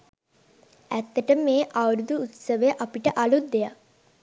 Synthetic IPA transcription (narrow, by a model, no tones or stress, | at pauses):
æt̪ːəʈəmmeːʔaʋəɾud̪uːt̪səʋəjʔapiʈəʔɐlut̪̚d̪eja